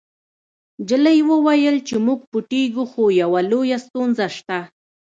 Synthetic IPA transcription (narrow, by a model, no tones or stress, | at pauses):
d͡ʒɪləjwəwajəlt͡ʃɪmʊɡ̚pʊʈiɡʊxojawalojast̪onzaʃt̪a